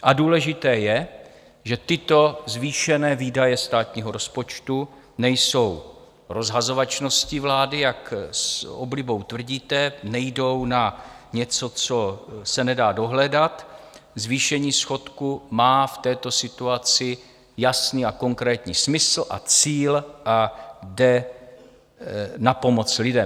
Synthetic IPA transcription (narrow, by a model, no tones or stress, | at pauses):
ʔaduːlɛʒɪt̪ɛːjɛ | ʒɛt̪ɪt̪o̞zviːʃɛnɛːviːdajɛst̪aːt̪ɲiːɦo̞ɾo̞spo̞t͡ʃt̪u | nɛjso̞w | ɾo̞zɦazo̞vat͡ʃno̞scɪvlaːdɪjakso̰blɪbo̞wt̪vr̩ɟiːt̪ɛnɛjdo̞wna | ɲɛt͡so̞t͡so̞sɛnɛdaːdo̞ɦlɛdat̪ | zviːʃɛɲiːsxo̞t̪kumaːft̪ɛːt̪o̞sɪt̪uat͡sɪ | jasniːako̞ŋkɾɛːt̪ɲiːsmɪsl̩ʔa̰t͡siːlʔadɛ | napo̞mo̞t͡slɪdɛm